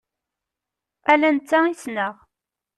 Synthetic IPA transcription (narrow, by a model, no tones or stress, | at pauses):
ælænt͡s̪ːaisnəʁ